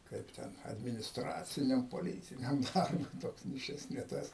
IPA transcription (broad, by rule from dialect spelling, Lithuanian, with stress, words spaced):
ˈkɐɪp tʲɛn ɐdʲmʲɪnʲɪsˈtrɑːt͡sʲɪnʲɛm poːˈlʲiːtʲɪnʲɛm dɐrˈbʊɪ ˈtoːks nʲɛɪ ˈʃʲɪs nʲɛ ˈtɐs